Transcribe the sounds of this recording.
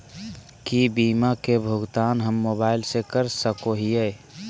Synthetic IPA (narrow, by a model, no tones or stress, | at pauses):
kibiːmakebʱʊɡt̪aːnɦəmːoːbaːɪlsekəɾsəkoɦije